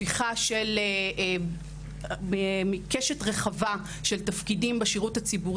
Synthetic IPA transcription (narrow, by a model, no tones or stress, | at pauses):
iχaʃel | emikeʃetʁeχava | ʃe̞ltafkidimbeʃiʁuthat͡sibuʁ